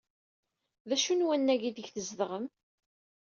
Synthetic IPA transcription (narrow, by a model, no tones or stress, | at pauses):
ðæʃunwænːæʝid̪əʝθəzðʁəm